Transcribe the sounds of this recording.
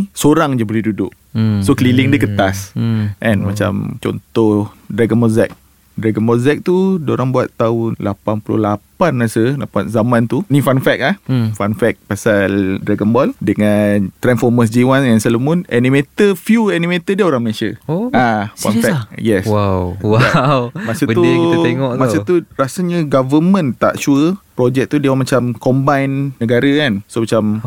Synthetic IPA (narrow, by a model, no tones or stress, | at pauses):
soɾaŋd͡ʒəbəɾidudʊ̰ʔ | sokəlilɪŋdiəkət̪asʔɛ̃nmat͡ʃa̰mt͡ʃɔ̰nt̪ɔhdɾaɡənmɔzɛ̰k̚ | dɾaɡənbɔzɛk̚t̪udəoɾaŋbuat̪ːaʊnlapanpulʊ̰hlapanːasəlapa̰nzamãnt̪unifanfɛk̚lahfanfɛk̚pasaldɾaɡənbɔldəŋant̪ɾɛnfɔməs̬d͡ʒiwanɛnsəlomʊnʔɛnĩmet̪əfjuɛnimet̪ədiəoɾaŋməasiəoãfa̰nfɛjɛswawwaawmasət̪ueŋɔʔmasət̪uɾasəɲəɡavəmə̃nt̪a̰ʔt͡ʃuəpɾod͡ʒɛk̚t̪udiawamat͡ʃamkɔmbajnːəɡaɾəkansomat͡ʃam